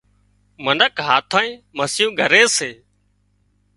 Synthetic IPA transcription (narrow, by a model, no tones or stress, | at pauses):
mənəkɦaːt̪ʰaːĩːməsɪjũːɡʱəɾeːseː